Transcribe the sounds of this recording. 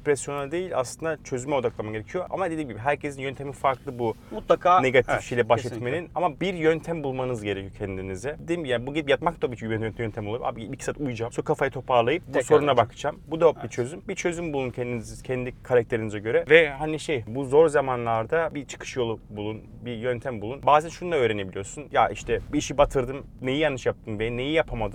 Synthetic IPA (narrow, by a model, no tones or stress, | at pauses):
pɾɛsjo̞nad̪e̞jilʲa̰slˠɯnd̪at͡ʃʰø̞zymɛo̞d̪aklˠamaɟeɾecʰijoʔa̰mad̪eimɟibiɦæɾcʰe̞sinjønt̪ʰe̞minfaɾklˠɯbumut̪lˠakʰaːne̞ɡat̪ʰifʃejilʲɛbaʃʃlɛt̪me̞ninamabiɾjønt̪ʰæmbulˠmanɯzɟe̞ɾecʰijocʰɛnd̪inizɛd̪imjaːnbuɟid̪ipjat̪mak̚t̪abit͡ʃɛnnʰjønt̪ʰæmbulˠaɾpa̰ːbibicʰi̥sat̪ujd͡ʒamsukʰafajat̪ʰo̞pʰaɾlˠajɯp̚buso̞ɾunabakʰɯd͡ʒambud̪abit͡ʃʰø̞zymbit͡ʃʰø̞zymbulˠuncʰɛnd̪inizcʰɛnd̪ikʰaɾak̚t̪ʰe̞ɾinizɛɟø̞ɾɛvɛhaniʃejbuzo̞ɾzamanlˠaɾd̪abit͡ʃʰɯ̥kʰɯ̥ʃjo̞lˠubulˠun | bijønt̪ʰæmbulˠunbaːzɛnʃunud̪aø̞ːɾene̞bilʲijoɾsunjaʔiʃt̪ʰɛbiːʃibat̪ʰɯɾd̪ɯm | nejijanːɯʃjap̚t̪ʰɯmbenːejijapʰamad̪ɯ